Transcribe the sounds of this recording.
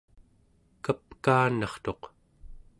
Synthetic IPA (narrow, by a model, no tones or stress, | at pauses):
kapkaːnɑχt̪o̞q